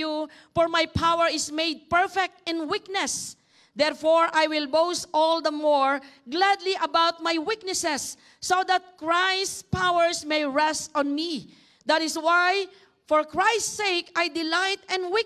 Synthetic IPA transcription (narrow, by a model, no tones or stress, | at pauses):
u | fɔɹmajpʰawɛɹɪsmejd̪̚pɛɹfɛk̚t̪ɪ̃nwiknɛs | d̪ɛɹfɔɹʔajwɪlbowst̪ʔɔld̪əmɔɹɡlad̪liʔɐbawt̪̚majwɪk̚nɛsɛsː | od̪at̪̚kɹajstpawɛɹsmejɹɛst̪ɔ̃nmi | d̪at̪ɪswaj | fɔɹkɹajst̪sejkajd̪ɪlajt̪ɛ̃nwɪ